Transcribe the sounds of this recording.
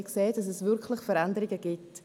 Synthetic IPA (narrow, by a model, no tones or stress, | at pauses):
kseːd̥ɑs̬ɛsvʏɾklɪχfəɾandəɾɪɡəɡ̥ɪt